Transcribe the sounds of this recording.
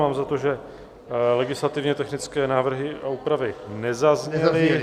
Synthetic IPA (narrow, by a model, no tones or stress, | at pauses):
aːmzat̪oʒɛ | lɛɡɪslat̪ɪvɲɛt̪ɛxnɪt͡skɛːnaːvr̩ɦɪʔauːpɾavɪnɛzazɲɛlɪ